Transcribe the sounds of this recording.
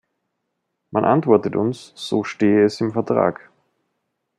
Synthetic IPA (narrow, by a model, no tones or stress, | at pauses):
manʔantv̥ɔɐtətʊnsz̥oːʃteːəɛsɪmfɛɐtʁ̥a̰ːk